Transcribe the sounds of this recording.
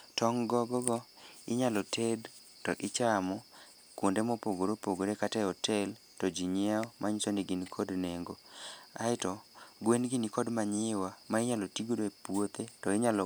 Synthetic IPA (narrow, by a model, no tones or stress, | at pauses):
tɔŋɡɔɡɔɡɔɪɲalɔted | tɔʔɪt͡ʃamɔ | kwondemopoɡoɾopoɡoɾekatɛɔtʰɛl | tɔd͡ʒiɲaɔmʔaɲsoniɡinikʰɔdneŋɡoa̰ɪtɔɡwenɡɪnikɔdmaɲɪwamaɪɲalɔtiɡodoepwot̪etɔɪɲalɔ